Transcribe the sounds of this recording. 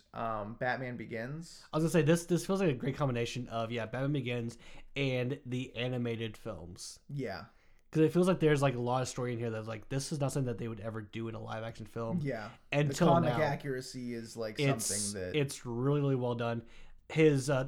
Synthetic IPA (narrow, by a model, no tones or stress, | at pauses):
ʔʌ̃mb̥æt̚mæ̃nbɨɡɪ̃nz̥aɪɡʌnseɪðɪsðɪsfilˠzlaɪkɨɡɹeɪt̚kʰɑ̃mbəneɪʃɨ̃nʔʌvjæbæt̚mæ̃nbɨɡɪ̃nzɨ̃nðiʔænɨmeɪɾɨd̥fɪ̰lˠmz̥jæ̰ | kʰʌzɨtfilˠzlaɪk̚ðə˞zlaɪkəlɔɾʌv̥stɔɹiɨ̃nhiɹðɨtslaɪk̚ðɪsɨznʌθɪ̃ŋðɨt̪̚ðeɪwəɾɛvə˞dɨɨ̃nə̰la̰ɪvækʃn̩fɪlˠmjæɨ̃ntʰkɪllˠmnɨaʊækjə˞ɨsiɪzlaɪkɪʌtmsθɪ̃ŋðɨt̚ɪtsɹɪlˠiɹɪlˠiwɛlˠdʌ̃n | hɪzʌ